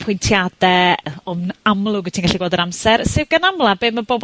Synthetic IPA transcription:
pʰʊjntʰjad̥ɛɔmnamlˠʊɡə̥tʰiːnɡaɬiɡwɛlˠdəɾamsɛɾsɪwɡənamlˠabeːməbɔb

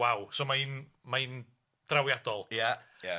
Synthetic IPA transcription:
awsoːmaɨn | maɨn | d̥rawjad̥ɔlˠjaja

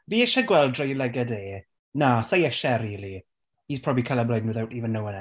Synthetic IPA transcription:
viːɛʃaɡwɛlˠdrɔjlɛɡɛdeː | nasajɛʃɛɾiːli | iːspʰrɔbikʰalɛblˠajnwuðawtiːvənːəwənɛ

